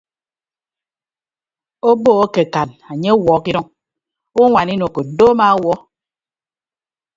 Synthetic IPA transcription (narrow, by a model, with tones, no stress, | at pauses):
o˦bo˦o˦ke˨ka˨na˨ɲe˦wɔ˨˦ki˦dɔ˦ŋ | u˦ŋʷa˨ni˦no˨ko˨doː˦ma˦wɔ˦